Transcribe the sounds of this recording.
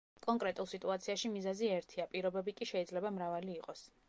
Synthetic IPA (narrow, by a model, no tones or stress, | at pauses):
kʼɔŋkʼɾɛt̪ʼulˠsit̪ʼuat̪sʰiaʃimizɛziɛɾt̪ʰiapʼiɾɔbɛbikʼiʃɛid̪zlɛbamɾavaliːqʼɔs